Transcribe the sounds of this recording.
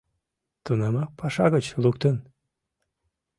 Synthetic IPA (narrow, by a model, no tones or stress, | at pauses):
t̪unɑmɑpɑʃɑɣət͡ɕlukt̪ən